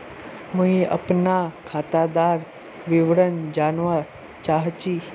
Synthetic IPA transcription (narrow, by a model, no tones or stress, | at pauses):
muiə̰pnakʰat̪ad̪aɾ | ʋiʋɽənd͡ʑanʋaɾ | t͡ɕaɦt͡ɕi